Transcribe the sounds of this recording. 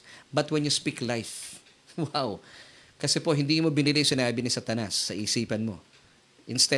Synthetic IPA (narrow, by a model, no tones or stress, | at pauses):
bɐt̪wɛnjuspiklajf | waw | kɐsɛpo̞ɦɪnd̪iːmo̞bɪnɪlɪjsɪnaːbɪnɪsat̪ɐnasːɐʔiːsiːpɐnmo̞ | ʔɪnst̪ɛ